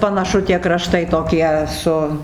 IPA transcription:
pɐnɐˈʃʊ tʲiɛ krɐˈʃtɐɪ toːˈkʲiɛ ˈsʊ

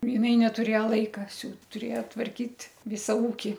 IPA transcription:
jɪˈnɐɪ nʲɛtʊˈrʲeːjɛ ˈlˠɐɪkɐ ˈsʲuːt tʊˈrʲeːjɛ tʋɐrʲˈkʲiːtʲ ˈʋʲɪsɐ ˈuːkʲɪ

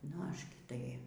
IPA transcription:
nʊ ˈɐʃ ˈɡʲɪ tɐɪ

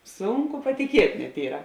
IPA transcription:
ˈsʊŋˌkʊ pɐtʲɪˈkʲiɛtʲ nʲɛt ˈiːrɐ

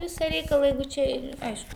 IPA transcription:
ˈʋʲɪsɐ ˈrʲɛɪkɐlˠɐ ˈjɛɪɡʊ t͡ʃʲɛ ɪ ˈɐɪʃkʊ

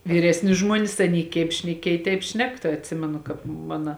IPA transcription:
ʋʲɪˈrʲæːsʲnʲɪ ˈʒmuɔnʲɪs ˈɑːˌnʲiː kʲɛɪp ʃʲnʲɛˈkʲiɛj tʲɛɪp ˈʃʲnʲɛk tɐɪ ɐtʲˈsʲɪmʲɛnʊ ˈkɑːp ˈmɑːnɐ

